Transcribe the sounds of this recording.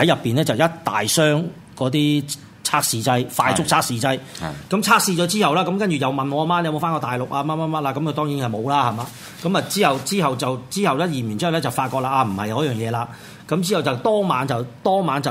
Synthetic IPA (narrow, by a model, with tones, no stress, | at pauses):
hɐ˨˥jɐ˨pːiː˨nɛː˥t͡sɐ˨wjɐ˥t̚t̪a̰ː˨jsœː˥ŋ | kɔː˨˥t̪̬iː˥ | t͡sʰaː˥k̚siː˧t͡sɐ˥jfaː˧jt͡sʊ˥k̚t͡sʰaː˥k̚siː˧t͡sɐ˥j | kɐ˨˦˥mt͡sʰaː˥k̚siː˧t͡ʃɔː˨˥t͡siː˥hɐ˨wlaː˥kɐ˨˦mkɐ˥nt͡ʃyː˨˩jɐ˨wmɐ˨nŋɔː˨˧maː˧nɛ˧mo˨˧wfaː˥ŋkɔː˧t̪aː˨˩jlʊ˨k̚ʔaː˧mɐ˥n̚ma˥mɐ˥t̚laː˧kɐ˨˦mkɵ˧t̪ɔː˥ŋjiː˨˥nɐ˨˩jmo˨˧wlaː˥hɐ˨˩maː˧ | kɐ˨˧˥mɐ˨t͡siː˥hɐ˨wt͡siː˥ɦɐ˨wt͡sɐ˨wt͡siː˥hɐ˨wlɛː˥jiː˨˩mjy˨˩nt͡siː˥hwlɛ˥t͡sɐ˨˩wfaː˧t̚kɔː˧k̚laː˧ʔaː˧m̩˨˩hɐ˨jɐ˨˧wjœː˨˩ŋjɛː˨˧laː˧ | kɐ˨˥mt͡siː˥hɐ˨˩wt͡sɐ˨˩wt̪ɔː˥maː˨˧nt͡sɐ˨˩wt̪ɔː˥maː˨˧nt͡sɐ˨